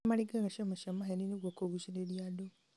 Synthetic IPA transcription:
maliɡaɣaʃamaʃamaheniniɡwakoɡuʃileljado

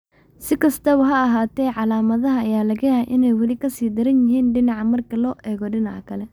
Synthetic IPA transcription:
sɪkʰɐst̪ʰɐβʊɦɐːɦaːt̪ʰɛːʕɑlaːmɐðɐɦɐːjaːlɐɣɐjaʔɪnɛjwɐlɪkʰɐsiːd̪ɪɾɐnjɪɦiːnɖɪnɑʕɑmɐrkʰɐlɔːʔɛːɣɔɖɪnɑʕkʰɐlɛ

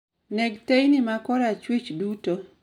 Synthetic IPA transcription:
neɡtejnɪmakɔɾat͡ʃwit͡ʃduto

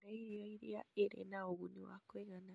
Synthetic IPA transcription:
ɾaijoiɾjaeɾḛnaoɣuniwa̰kweɣana

